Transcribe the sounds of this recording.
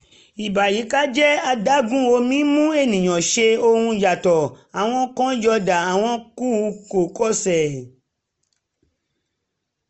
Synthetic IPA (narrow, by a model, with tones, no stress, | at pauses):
i˨ba˨ji˨˦ka˦d͡ʒɛ˦a˧da˦ɡũ˦o˧˦mĩ˦mũ˦e˦˨nĩ˨j̃ã˨ʃe˧o˧hũ˧d͡ʒa˨tɔ˨ | a˨w̃ɔ̃˧kɔ̃˦d͡ʒɔ˧da˨a˨w̃ɔ̃˧ku˦˧ko˨kɔ˦sɛ˨